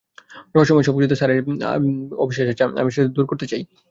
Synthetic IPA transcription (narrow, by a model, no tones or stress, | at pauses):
ɾɔɦoʃɔmɔeʃɔbud͡ʑud̪oʃaɾeɾ̰ | o̰bʱiʃeʃet͡ɕaa̰miʃed̪uɾkoɾt̪et͡ɕaj